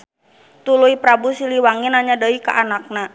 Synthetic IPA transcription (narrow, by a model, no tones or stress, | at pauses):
t̪ulujpɾabusiliwaŋinaɲadaikaʔanak̚na